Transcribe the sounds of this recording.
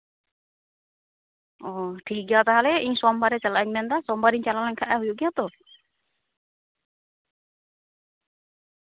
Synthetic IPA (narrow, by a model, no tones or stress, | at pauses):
ɔʈʰik̚ɡjat̪aɦalɛʔiɲsɔmbaɾɛt͡ʃalaʔɛɲmɛnd̪asɔmbaɾiɲt͡ʃalalaɲkʰaʔɛɦujuʔɡijat̪ɔ